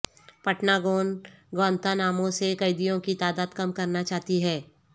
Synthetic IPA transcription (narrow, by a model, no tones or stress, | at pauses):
pɐʈnaɡoːnɡʋnt̪anaːmõsekɐɪd̪ijõkit̪aːd̪aːd̪kɐmkɐɾnat͡ʃaːt̪iɦɛː